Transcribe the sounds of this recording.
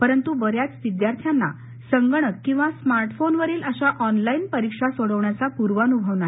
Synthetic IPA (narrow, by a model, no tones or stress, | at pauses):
pəɾənt̪uʋəɾjat͡sʋid̪jaɾt̪ʰjanːa̰ | səŋɡəɳəkĩw̃ʋasmaɾʈfonʋəɾiːləɕaʔɔnlainpəɾikʂasoɽəʋɳjat͡sapuɾʋəənubʱəʋnaɦ